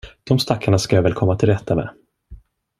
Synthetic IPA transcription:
d̪̥ɔmst̪akʰːaɳaskajaːvɛːlkʰɔmːat̪ʰɪlɾɛt̪ːamɛ̰ː

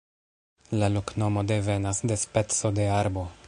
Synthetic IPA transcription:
lalokno̞mo̞de̞ve̞nasde̞spe̞t͡so̞de̞aɾbo̞

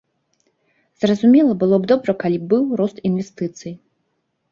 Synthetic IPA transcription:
zrɐzumʲɛlˠɐbɨlˠɔbd̪ɔbɾɐkalʲibɨwɾɔst̪invʲɛst̪ɨt̪sɨji

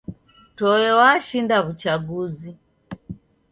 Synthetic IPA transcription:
tɔjɛwaʃindaβut͡ʃaɡuzi

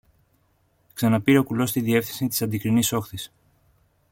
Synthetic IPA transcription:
ksɐnɐpiɾe̞o̞kulo̞st̪iðie̞fθinsit̪i̥sɐnd̪ikɾiniso̞xθis

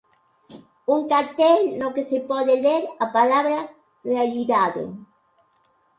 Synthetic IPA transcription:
uŋkaɾt̪ɛlnokesepɔðeleɾapalaβɾɐ | realiðaðḛ

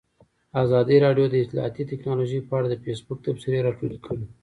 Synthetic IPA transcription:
azɑd̪iɾɑɖjod̪əɪt̪lɑ̰ɦa̰t̪it̪ɪknɑloʒəjpəaɽad̪əfesbʊk̚t̪apsɪɾeɾɑʈulkʰəɽi

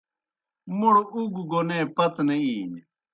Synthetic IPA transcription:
muɽuɡɡonẽːpɐt̪neiːɲ

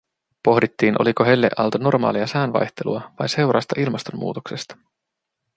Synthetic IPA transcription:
po̞ɦdit̪ːiːnʔo̞liko̞ɦelːḛʔɑ̰lt̪ɑno̞rmɑ̰ːliɑsæːnʋɑ̰jt̪e̞lṵɑʋɑjnse̞wɾɑ̰st̪ɑʔilmɑst̪o̞mːṵːt̪oksest̪ɑ̥

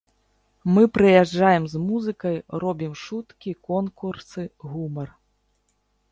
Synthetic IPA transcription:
mɨpɾɨjaʐajɛmzmuzɨkɐjrɔbʲimʂut̪kʲikɔnkursɨɣumɐr

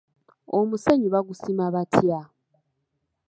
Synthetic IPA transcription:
omuseɲuβaɡusimaβatʰja

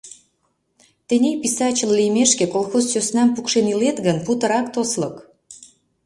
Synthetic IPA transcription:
t̪enʲejpisɑt͡ɕəllijmeʃkekolˠxozsøsnɑmpukʃenilet̪ɣənput̪əɾɑkt̪oslək

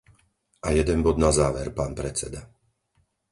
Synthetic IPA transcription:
ʔajɛd̪ɛnbɔd̪nazaːʋɛɾpaːnpɾɛt͡sɛd̪a

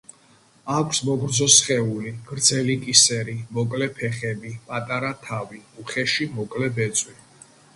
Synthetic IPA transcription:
akʷʰsmɔɡɾzɔsχɛuliɡ̥ɾd̪zɛlikʼisɛɾimɔkʼlɛpʰɛχɛbipʼat̪ʼaɾat̪ʰaviuχɛʃimɔkʼlɛbɛt̪sʼwi

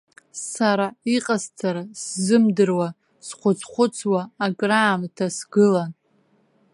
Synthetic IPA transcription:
saɾaiqʼazt͡sʰaɾaszɨmdɨrwa | sχʷʊt͡sʰχʷʊt͡sʰwaːɡʼraːmtʰasɡɨlan

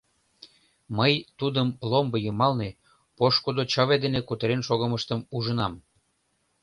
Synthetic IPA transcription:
məjt̪ud̪əmlombəjumɑlne | poʃkod̪ot͡ɕə̆βed̪enekut̪əɾenʃoɣə̆məʃt̪əmuʒənɑm

